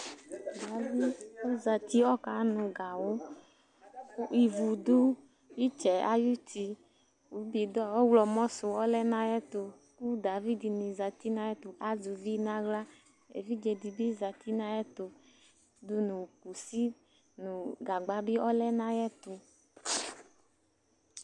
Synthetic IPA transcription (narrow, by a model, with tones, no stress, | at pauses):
da˨vi˦o˦za˨ti˦ɔ˦ka˨˦nũ˨ɡa˨wo˦ | i˨vu˨du˦ | wi˦t͡ʃɛ˨a̰˦ju˦ti˧ | wu˨˦bi˨dɔ˦˨wɔ˦wlɔ˨mɔ̃˦sʊ˨ɔ˦lɛ˦nã˦jɛ˦t̪o˨ | ku˦da˨vi˦di˨nĩ˨za˨t̪i˦nã˦ɛ˦t̪o˨a˨zu˨vi˦nã˦ɡla˦ | ḛ˨vi˦d͡ʒɛ˨di˨bi˦za˨t̪i˦nã˦jɛ˦t̪o˨ | du˦nũ˨ku˨si˦ | nũ˨ɡa˨ɡ͡ba˦bi˦ɔ˦lɛ˦nã˦jɛ˦t̪o˨